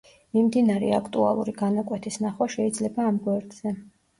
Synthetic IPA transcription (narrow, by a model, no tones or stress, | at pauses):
mimd̪inaɾɛ̰akʰt̪ʼua̰lˠṵɾiɡanakʼwɛt̪ʰisnaχwaʃɛid̪zlɛbaːmɡwɛɾd̪z̥ɛ